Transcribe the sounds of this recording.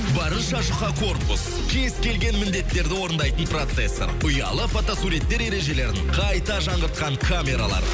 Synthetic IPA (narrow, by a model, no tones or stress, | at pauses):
bɑɾənʃɑʒʊχɑkʰo̞rpʊs | kʲʰeɪskʲʰe̞lɡʲe̞nmɪnd̪e̞t̪ːe̞ɾd̪ɪwo̞ɾənd̪ɑjt̪ənpro̞t̪sesːḛɾʊjɑ̰lˠəfot̪o̞suɾet̪ːe̞ɾe̞ɾe̞ʒe̞le̞ɾɪŋqʰɑjt̪ɑʒɑɴəɾt̪̚qɑɴkʰamʲe̞ɾalˠɑ̰ɾ̰